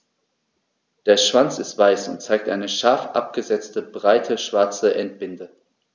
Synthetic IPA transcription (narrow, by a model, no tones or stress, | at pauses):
d̥eːɐʃv̥ant͡sɪstv̥aɪsʊ̰nt̚t͡saɪk̚tʔa̰ɪnəʃaɐfʔa̰p̚ɡ̥əzɛt͡stəbʁaɪtʰəʃv̥aɐt͡səʔɛnt̚b̥ɪndə